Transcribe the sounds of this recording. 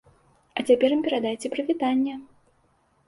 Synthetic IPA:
ɐt͡sʲapʲɛɾɨmpʲɛɾad̪ajt͡sʲɛpɾɨvʲit̪anʲːɐ

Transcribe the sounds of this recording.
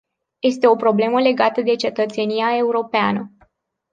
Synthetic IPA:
je̞st̪e̞o̞pɾo̞ble̞məle̞ɡat̪əd̪e̞t͡ʃe̞t̪ət̪se̞nijae̞uɾo̞peanə

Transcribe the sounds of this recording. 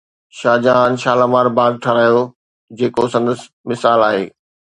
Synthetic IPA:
ʃaːd͡ʑãnʃaːlamaːɾbaːɡ̚ʈʰɐɾaːjo | d͡ʑeːkosɐ̃nd̪əs | mɪsaːlaːɦḛː

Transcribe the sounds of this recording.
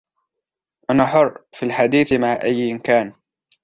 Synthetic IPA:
ʔanaħʊrˤfiːlħad̪iːθmaʕʔajːɪmkaːn

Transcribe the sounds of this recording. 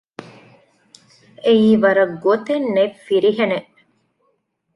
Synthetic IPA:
eiːʋɐɾɐɡot̪enːefiɾiɦeneʔ

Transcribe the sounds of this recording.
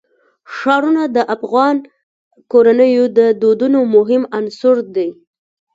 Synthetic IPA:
ʂɑɾunad̪əʔafɣɑn | koɾanəjod̪əd̪od̪unomʊɦɪmansʊɾd̪aj

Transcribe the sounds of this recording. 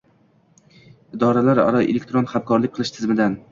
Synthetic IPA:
ɪd̪ɒɾalaɾa̰ɾɒelʲek̚ʲt̪ɾonχamkʰɒɾlɪk̚ʲqʰɨlˠɪʃt̪ʰɪzmɪd̪an

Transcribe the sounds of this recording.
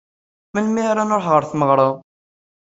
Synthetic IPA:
mənmiɾanoɾˤħʁəɾˤθməʁɾˤə

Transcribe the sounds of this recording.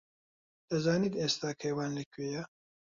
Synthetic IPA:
d̪̥ɐzaːniːd̪eːst̪aːkʰɐjwaːnlɐkʰɥejɛ

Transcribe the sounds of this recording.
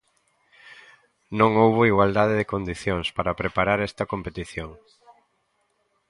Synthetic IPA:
nõŋowβoiɣwald̪aðeðɪkond̪iθjoŋspaɾɐpɾepaɾaɾɛst̪ɐkompet̪iθjoŋ

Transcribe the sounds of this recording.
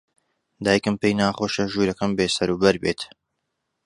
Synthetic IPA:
d̪aːjkɨmpejnaːχoːʃɐʒuːɾɐkɐmbeːsɐɾuːbɐɾbeːt̪

